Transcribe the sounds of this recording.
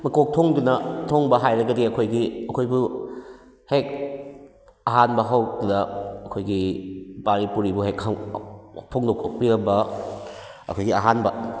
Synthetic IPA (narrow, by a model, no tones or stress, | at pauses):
mɐkok̚tʰoŋdunɐtʰoŋbɐɦajɾɐɡɐdiɐkʰojɡiɐkʰojbu | hek̚ | ɐɦanbɐɦawdɐɐkʰojɡibaɾipuɾibuɦekhawpʰoŋdokok̚piɾɐbɐ | ɐ̰kʰojɡiaɦanbɐ